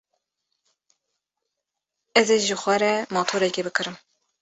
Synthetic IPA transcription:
ɛzeʒɨxʷɛɾɛmɑːt̪ʰoːɾɛkebɨkʰɨɾɨm

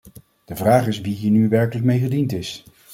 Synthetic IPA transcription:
d̥əvraːχɪsʋiɦiːɹnyʋɛɹkləkmejχədintɪs

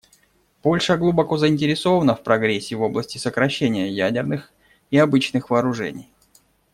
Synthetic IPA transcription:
po̞lʲʂəɡlˠubɐko̞zəɪnʲtʲɪɾʲɪso̞vənəfpɾɐɡɾʲesʲːɪvo̞blˠəsʲtʲɪsəkɾɐɕːenʲɪjəjædʲɪrnɨx | iɐbɨt͡ɕnɨxvəːɾʊʐɛ̰nʲɪ̰j

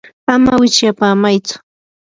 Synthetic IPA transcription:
amawɪt͡ʃjapaːmajt͡sʊ̥

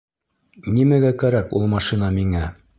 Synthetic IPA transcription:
nimæɡækæɾækulˠmɑʃinɑmiŋæ

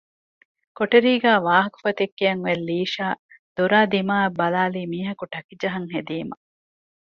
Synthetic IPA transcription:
koʈeɾiːɡæːʋaːɦɐku̥fɐt̪ekːejɐŋʋelːiːʃaː | d̪̥oɾaːd̪imaːɐbːɐlaːliːmiːɦɐkuʈɐkid͡ʒɐɦɐŋɦed̪iːmɐ

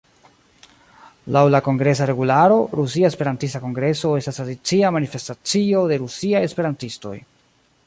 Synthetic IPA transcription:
lawlako̞ŋɡɾe̞s̬aɾe̞ɡulaɾo̞ɾus̬iaespe̞ɾantistako̞ŋɡɾe̞so̞e̞stasadit͡siamanife̞stat͡sio̞de̞ɾusiaje̞spe̞ɾantisto̞̰j

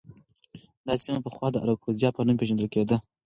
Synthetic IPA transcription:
d̪ɑsimapəxwɑd̪əʔa̰ɾab̚xuzjɑpənumpeʒand̪əlked̪ə

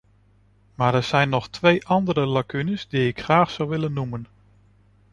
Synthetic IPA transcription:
maːɹɛɹz̥ɛjnːɔχtʋejʔɑndəɾəlakynəzdiɪkχraːχsɑwʋɪlənːumən

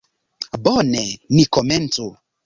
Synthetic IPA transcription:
bɔnɛnikɔmɛnto

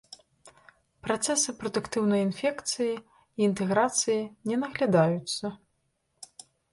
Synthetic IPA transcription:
pɾat̪sɛsɨpɾɔd̪ukt̪ɨwnɐjinfʲɛkt̪sɨji | iːnt̪ɛɣɾat̪sɨjinʲɛnɐɣlʲad̪ajut̪sːɐ

